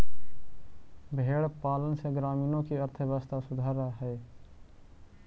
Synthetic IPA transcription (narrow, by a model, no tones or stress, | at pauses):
bʱeːɽpaːlənseɡɾaːmiːnõkiəɾt̪ʰəʋaːst̪asʊd̪ʱaːɾaɦɛː